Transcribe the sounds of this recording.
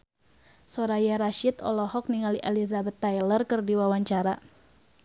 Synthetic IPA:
sɔɾajaɾaʃit̪ɔ̰lɔhɔk̚niŋaliʔelizabɛt̪ːajlərkərdiwawaɲt͡ʃaɾa

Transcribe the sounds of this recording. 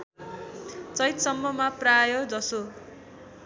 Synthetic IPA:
t͡sʌjt̪sʌmːʌmaprajʌd͡zʌso

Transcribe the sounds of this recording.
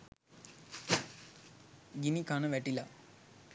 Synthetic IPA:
ɡinikanəʋæʈila

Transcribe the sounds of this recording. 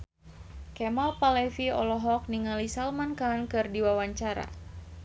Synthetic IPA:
kɛmalpalɛfiɔ̰lɔɦɔk̚niŋalisalmankankɨrdiwawaɲt͡ʃaɾa̰

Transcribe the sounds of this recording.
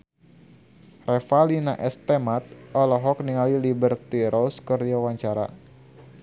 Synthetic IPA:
rɛfalina̰ʔɛst̪ɛmat̪̚ɔlɔɦɔk̚niŋalilibərt̪iɾʔɔskəriawaɲt͡ʃaɾa̰

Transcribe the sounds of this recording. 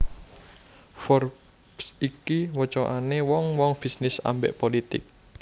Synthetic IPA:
fɔr | psikiwət͡ʃɔʔanewɔŋwɔŋb̥i̤snɪsa̰mbḛʔpolit̪ɪk̚

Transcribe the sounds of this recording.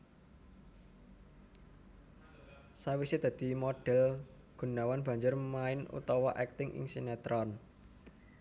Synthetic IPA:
sawisɪd̪̥ä̤d̪̥i̤mɔɖ̥ɛl | ɡ̥ṳnawanb̥a̤ɲd͡ʒʊrmaɪnṵt̪ɔwɔʔɛk̚t̪ɪŋʔɪ̰ŋsinɛt̪ɾʔɔn

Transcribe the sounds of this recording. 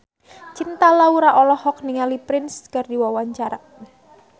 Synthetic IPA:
t͡ʃint̪alauɾaʔɔlɔhɔk̚niŋalipɾɪnskardiwawaɲt͡ʃaɾa

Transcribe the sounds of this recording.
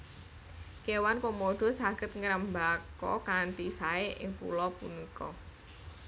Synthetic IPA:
kewankomoɖ̥ɔ̤saɡ̥ə̤t̪̚ŋəɾəmbakɔ̰kant̪isaeʔɪ̰ŋpṵlɔpṵnikɔ̰

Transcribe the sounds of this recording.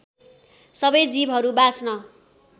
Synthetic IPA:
sʌbʌjd͡zibɦʌɾubat͡snʌ

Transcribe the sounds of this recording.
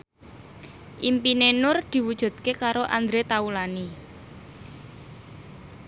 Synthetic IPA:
ʔimpinenʊrd̪̥i̤wud̥ʒ̥ṳd̪̥̚kekaɾoʔand̪ɾet̪aulani

